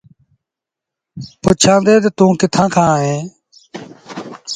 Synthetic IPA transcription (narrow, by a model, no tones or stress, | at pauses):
pʊt͡ʃʰãːnd̪eːd̪eːt̪ũːkɪt̪ʰãːkʰãːɦẽː